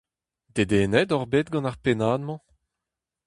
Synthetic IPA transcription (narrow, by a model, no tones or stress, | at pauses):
d̪ed̪eːnɛd̪ɔʁbeːt̪̚ɡɑ̃naʁpenaːdmɑ̃